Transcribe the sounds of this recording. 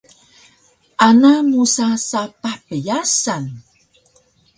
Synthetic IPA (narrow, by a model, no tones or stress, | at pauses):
ʔanamusasapaħpəjasan